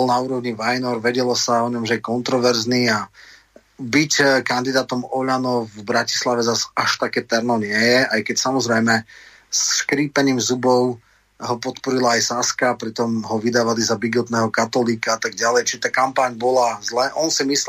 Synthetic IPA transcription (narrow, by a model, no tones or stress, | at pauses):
ɔlnauːɾɔʊɲiʋajnɔɾʋɛɟɛlɔsaɔɲɔmʒɛjɛkɔnt̪ɾɔʋɛɾznia | bickand̪id̪aːt̪ɔmɔʎanɔvbɾaci̥slaʋɛzasaʃt̪akɛːt̪ɛɾnɔɲɪɛjɛʔajkɛcsamɔzɾɛjmɛ | sːkɾiːpɛniːmzubɔʊ | ɦɔpɔt̪pɔɾilaːjsaskaːpɾit̪ɔmɦɔʋid̪aːʋalizabiɡɔt̪nɛːɦɔkat̪ɔliːkaat̪aɡ̚ɟalɛjt͡ʃiʒɛt̪aːkampaɲbɔlazlɛːʔɔnsimis